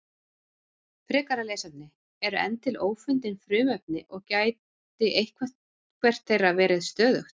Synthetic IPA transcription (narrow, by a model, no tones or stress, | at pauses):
pɾɛːkaɾaleːsat̪nɪ | ɛɾʏɛ̰nt̪ɪloːwfʏnt̪ɪnfɾʏːmɛp̚nɪʔɔɣcaːj̪ | ɪʔejhkʰvɛ̥t̪ | kʰvɛr̥t̪θejravɛːɾɪðst̪œːðʏxt̪